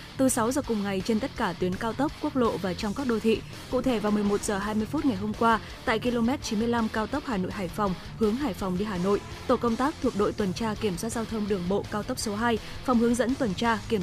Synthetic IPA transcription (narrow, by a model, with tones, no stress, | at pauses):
t̪ɨ˨˩sa˨˦wzəː˨˩kʊ˨˩ŋ͡mŋa˨˩jt͡ɕe˧nt̪ə˦˥t̚kaː˧˩t̪wi˨˦ənkaː˧wt̪ə˦˥p̚ku˦˥ək̚lo̰˧˨vaː˨˩t͡ɕɔ˧wŋ͡mkaː˦˥k̚ɗo˧t̪ʰḭ˧˨ | kṵ˧˨t̪ʰe˧˩vaː˨˩wmɨ˨˩əjmo˨˩t̚z̥əː˨˩ɦaː˧jmɨ˧əjfu˦˥t̚ŋa˨˩jɦo˧mkwaː˧ | t̪a̰ː˧˨jki˧lo˧mɛ˦˥t̚t͡ɕi˨˦mɨ˧əjla˧mkaː˧wt̪ə˦˥p̚haː˨˩no̰˧˨jɦaː˧˩jfa˨˩wŋ͡m | hɨ˨˦əŋɦaː˨˩jfa˨˩wŋ͡mɗi˧ɦaː˨˩no̰˧˨j | t̪o˧˩kə˧wŋ͡mt̪aː˦˥k̚t̪ʰu˨˩ək̚ɗo̰˧˨jt̪wə˨˩nt͡ɕaː˧ki˧˩əmswaː˦˥t̚zaː˧wt̪ʰə˧wŋ͡mɗɨ˨˩əŋɓo̰˧˨kaː˧wt̪ə˦˥p̚so˨˦ɦaː˧jfa˨˩wŋ͡mhəŋzə̰˧˥nt̪wə˨˩nt͡ɕaː˧ki˧˩əm